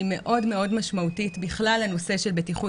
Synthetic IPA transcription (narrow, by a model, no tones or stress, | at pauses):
me̞ʔo̞dme̞o̞dmaʃmautitbiχlalano̞se̞ʃe̞lbetiχu